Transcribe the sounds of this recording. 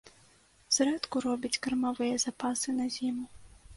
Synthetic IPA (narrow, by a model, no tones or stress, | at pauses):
z̥ɾɛt̪kʊɾɔbʲɐt͡sʲkɐrmɐvɪjɐzɐpasɨnɐzʲimʊ